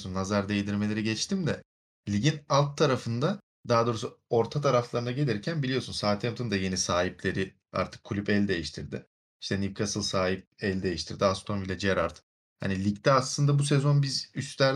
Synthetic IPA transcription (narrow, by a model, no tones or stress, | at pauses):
sunːazaɾd̪ejd̪iɾme̞lʲe̞ɾiɟɛt͡ʃt̪ʰimd̪ɛ | lʲiɟinalˠt̪ʰːaɾafɯnd̪a | d̪aɦad̪o̞ːɾusuo̞ɾt̪ʰat̪ʰaɾaflˠaɾɯnaɟe̞lʲiɾcʰænbilʲijo̞sunsaːt̪ʰɛmt̪ɯnd̪aje̞nisaːɦiplʲe̞ɾɪ | a̰ɾt̪ʰɯ̥kʰːulʲypɛlʲd̪e̞jiʃt̪ʰiɾd̪ɪ | iʃt̪ʰɛnivkʰasɯlˠsaːɦip̚ælʲd̪e̞jiʃt̪ʰiɾd̪iast̪ʰonvilʲɛd͡ʒiaɾaɾt̪ʰɯ̥ | ha̰nilʲict̪ʰɛaslˠɯnd̪abus̬ezo̞nbizyst̪æɾ